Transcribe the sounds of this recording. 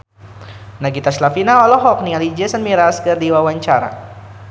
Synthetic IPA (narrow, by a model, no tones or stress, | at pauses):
naɡit̪aslafinaɔlɔɦɔk̚nialid͡ʒɛsənmiɾaskərdiwawaɲt͡ʃaɾa̰